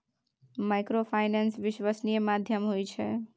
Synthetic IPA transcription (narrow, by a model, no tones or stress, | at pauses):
majkɾopʰajnensʋiʃwasnijemad̪ʱjəmɦojt͡ʃʰɛ